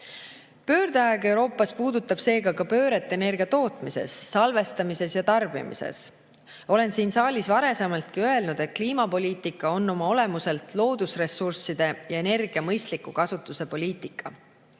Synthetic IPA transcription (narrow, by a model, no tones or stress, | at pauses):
pø̞ːrd̪̥eɑeɡe̞wɾo̞ːpːˑɑspuːd̪ut̪ːˑɑb̥se̞ːɡɑkɑpø̞ːɾe̞t̪ːˑe̞ne̞rɡ̥iɑt̪o̞ːt̪mise̞̰sːɑlve̞st̪ɑmise̞sjɑt̪ɑrb̥ḭmḭsḛs | o̞le̞nsiːnsɑːlʲisvɑɾe̞se̞mɑlt̪̚kiø̞e̞lnud̪̥e̞t̪̚kliːmɑpo̞lʲiːt̪ikːˑɑo̞nːo̞mɑo̞le̞muse̞lt̪lo̞ːd̪̥usre̞sursid̪̥e̞jɑe̞ne̞rɡiɑmɤjst̪likːˑukɑsut̪ːˑuse̞po̞lʲiːt̪ˑikːˑɑ